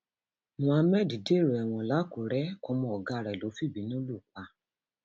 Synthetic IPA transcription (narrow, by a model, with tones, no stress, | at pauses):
mũ˧a˧mɛ˦˨di˨de˦˨ɾo˨ɛ˨w̃ɔ̃˧˨la˨˦ko˨ɾɛ˦kɔ˧mɔ̃˧˨ɔ˨ɡa˧ɾɛ˨lo˨˦fi˦˨bi˨˦nĩ˦o˦lu˦˨k͡pa˧